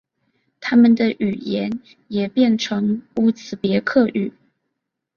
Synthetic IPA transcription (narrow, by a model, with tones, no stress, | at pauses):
t̪ʰa˥mə˨nd̪ə˨ʔy˨˩jɛ˧˥n | jɛ˨˩pjɛ˥˩nʈ͡ʂʰɤ˧˥ŋu˧˥t͡sʰɹ̩˨˩pjɛ˧˥kʰɤ˥˩ʔy˨˩˦